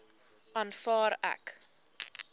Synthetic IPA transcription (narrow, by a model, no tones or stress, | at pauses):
ɐnfɑːɾæ̰k